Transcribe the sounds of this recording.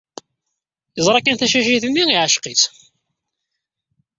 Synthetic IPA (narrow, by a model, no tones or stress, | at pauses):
jəzˤɾˤɑkːænθæʃæʃ̬iθənːiiʕəʃqit͡s